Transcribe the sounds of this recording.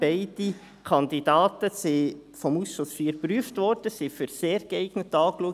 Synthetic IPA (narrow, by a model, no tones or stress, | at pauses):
bɛɪd̥i | kʰɑnd̪idɑːtəsifɔmusːɔsfiːɾpɾyːftʋɔɾd̥əsɪfyɾseːɾɡ̥əɛɪɡ̥nət̪ɑːkluə